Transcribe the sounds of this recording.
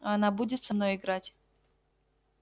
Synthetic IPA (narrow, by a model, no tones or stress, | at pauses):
ɐnabudʲɪt̪fsɐmno̞jɪɡɾatʲ